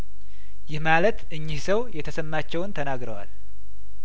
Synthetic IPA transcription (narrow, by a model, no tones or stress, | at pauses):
jɪhmalət̪ɨɲːɪhsəwjɛt̪ʰəsəmːat͡ʃːɛwnt̪ʰənaɡɾəwa̰l